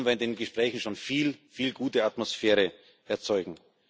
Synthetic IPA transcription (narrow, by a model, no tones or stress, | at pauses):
nviːɐɪndeːnɡəʃpʁ̥ɛːçn̩ʃoːnfiːlfiːlɡuːtəatmosfɛːʁə | ʔɛɐt͡sɔʏɡŋ̩